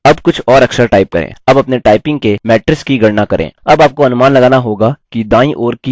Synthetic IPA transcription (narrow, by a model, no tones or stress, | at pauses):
ɐbkʊt͡ʃʰɔːɾɐkʃəɾʈaːɪp̚kɐ̰ɾḛ̃ːɐbɐpneʈaːɪpɪ̃ŋɡ̚kemɛːʈɾɪskiɡɐɽnakɐɾʔḛ̃ːɐbaːp̚koɦɐnʊmaːnlɐɡaːnaɦoːɡakid̪ãːĩʔoːɾki